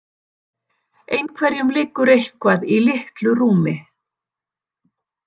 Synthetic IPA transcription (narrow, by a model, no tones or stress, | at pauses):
ejnkʰvɛɾjʏmlɪkːʏɾejhkvaðilɪht̪lʏruːmɪ